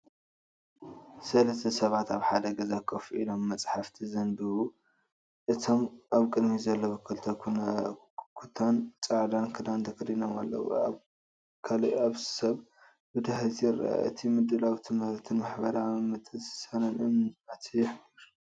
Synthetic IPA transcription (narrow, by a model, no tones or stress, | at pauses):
sɐlɐst̪ʰɐsɐβat̪aβħad̪ɐɡɐzakʰʼːɐfuʔilo̞mːɐt͡sʼħaft̪ʰizɐnd̪ɨwu | ʔɨt̪ʰo̞mʔaβkʼɨd̪mizɐlːɐbɨkʰːɨlt̪ʰɐkʰun | kʰut̪ʰant͡sʼaʕd̪ankʰɨd̪ant̪ʰɐkɾinoma̰lːɐ̰w̰a̰β | kʰalaβsɐβ | bɨd̪aħlt̪ʰjɪɾa̰a̰ɨt̪ʰimɨd̪ːɨlawt̪ʰɨmɨɾt̪ʰɨnmaħbɐɾamɨt̪ʰɨsɨ̥sɐnɐnʔɨmnat̪ʰijɪħɾ